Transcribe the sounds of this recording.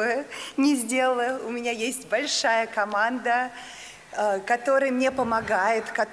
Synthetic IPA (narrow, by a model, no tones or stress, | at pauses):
ənʲɪzʲdʲe̞lləʊmʲɪnʲajesʲtʲbɐlʲʂajəkɐmand̪ə | kɐt̪o̞ɾəjəmnʲe̞pəmɐɡajɪt̪kɐ